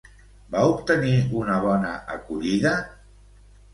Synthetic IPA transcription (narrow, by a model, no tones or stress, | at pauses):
baupt̪əniunəβ̞ɔnəʔəkuʎiðə